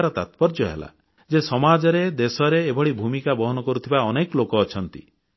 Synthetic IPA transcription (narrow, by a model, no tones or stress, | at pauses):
ɾɔt̪at̪bɔɾd͡ʒɔɦḛla̰ | d͡ʒesɔmad͡ʒɔɾed̪esɔɾeːbʱɔɽibʱumikabɔɦɔnɔkɔɾut̪ʰibaɔnekɔlokɔːt͡ʃʰɔnt̪i